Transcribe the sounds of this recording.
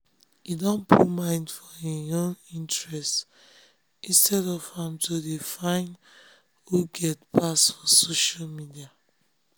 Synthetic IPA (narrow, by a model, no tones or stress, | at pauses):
idɔ̃npʰumãɪ̃ndfɔeõnĩntɹɛst | ʔĩnstɛdɔvãmtʰodefãɪ̃n | huɡɛtpʰasfɔsoʃalmidia